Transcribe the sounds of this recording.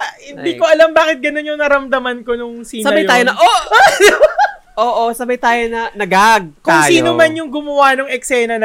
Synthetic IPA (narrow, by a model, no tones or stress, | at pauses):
hɪnd̪iːkoʔɐlɐmbaːkɪt̪̚ɡɐno̞njʊŋnɐɾɐmd̪ɐmɐnko̞nʊŋsiːnsɐɐbaj̪aːjonɐʔo | ʔoːʔosɐbɐjt̪aːjonɐnɐɡaɡ̚kʊŋsiːnomɐnjʊŋɡʊmɐwanʊŋɛksɛːnɐn